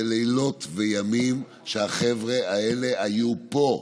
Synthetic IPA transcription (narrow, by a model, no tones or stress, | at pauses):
elelo̞t̪vejamim | ʃeaχevʁeae̞le̞ajupo̞